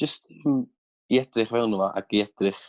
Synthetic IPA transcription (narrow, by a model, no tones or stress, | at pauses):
ʒ̥əstn | iɛdrɪχvɛwlnumaʔa̰ɡiɛd̥rɪχ